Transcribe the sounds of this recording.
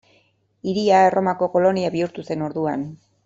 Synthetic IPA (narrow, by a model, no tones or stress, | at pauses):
iɾiaerʔo̞mako̞ko̞lo̞niaβiuɾt̪use̞no̞ɾðuan